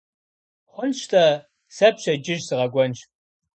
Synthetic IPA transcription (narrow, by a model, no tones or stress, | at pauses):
χʷʊnɕtʰɐ | sɐpɕɐd͡ʒɪʒsɨʁɐɡʷɔnʃ